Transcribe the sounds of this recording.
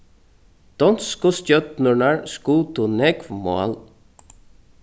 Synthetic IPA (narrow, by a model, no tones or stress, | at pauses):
d̪̥ɔnskʊscœt̪nʊnaɹskuːt̪unɛkvmɔ̰a̰l